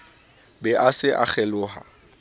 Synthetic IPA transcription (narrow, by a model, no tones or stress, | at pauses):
bɛʔasɪʔa̰k͡xʰɛlʊːɦa̰